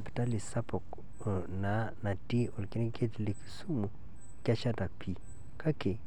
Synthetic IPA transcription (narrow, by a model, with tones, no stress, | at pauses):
a˨pi̥˨ta˦li˨sa˦pɔ˨k | na˨˦na˨ti˦o˨lki˦ne˦ke˦ti˦li˨ki̥˨su˦mu˨ | ka˦ʃa˦ta˨k̚pʰi˨ | ka˦ke˨